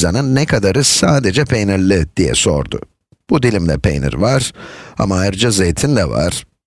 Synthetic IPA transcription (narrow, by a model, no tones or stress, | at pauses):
zanɯnːɛkʰad̪aɾɯsaːd̪ed͡ʒɛpʰejnilʲːid̪̥ijɛ̰so̞̰ɾd̪ʊ̰ | b̥ud̪ilʲimd̪ɛ̰pʰḛjnḭɾvaɾ̥a̰maːjiɾd͡ʒazejt̪ʰind̪ɛva̰ɾ̥